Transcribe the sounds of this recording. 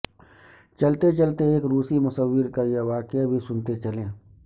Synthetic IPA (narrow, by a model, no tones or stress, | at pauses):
t͡ʃɐlt̪et͡ʃɐlt̪eeːkɾuːsimʊsəwːɪɾkajeʋaːkɪjabʱisʊnt̪et͡ʃɐlẽː